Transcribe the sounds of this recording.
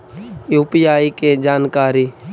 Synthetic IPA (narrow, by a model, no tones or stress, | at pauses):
juːpijaːiked͡ʒaːnkaːɾiː